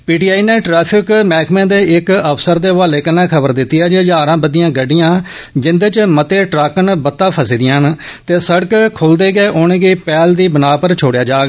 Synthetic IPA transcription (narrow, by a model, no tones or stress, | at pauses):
piːʈiːaːiːneːʈɾɛːpʰɪkmɛːkmẽːd̪eːɪkəpʰsəɾd̪eːʋaːleːkənãːkʰəbəɾd̪ɪt̪ːiaːd͡ʒeːd͡ʒaːɾãːbəd̪ijãːɡəɖːɪjãː | d͡ʒɪnd̪eːt͡ʃmət̪eːʈɾaːkənbət̪ːaːpʰəsiːd̪ɪjãːnt̪eːsəɽəkkʰʊld̪eːɡeːʔʊñeːɡeːpɛːld̪iːbənaːpəɾt͡ʃʰoːɽejaːd͡ʒaːɡ